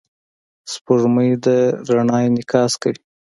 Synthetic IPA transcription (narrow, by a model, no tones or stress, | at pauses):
spuɾməjd̪əɾaɳɑjnɪkɑskawi